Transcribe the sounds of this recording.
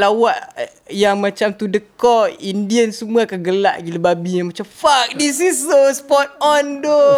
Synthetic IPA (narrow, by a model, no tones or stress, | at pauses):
lawaʔ | jaŋmãt͡ʃamt̪udəkɔindiənsumuakaɡəla̰ʔɡiləbabijaŋmat͡ʃamfak̚disisːospɔt̪̚ɔndo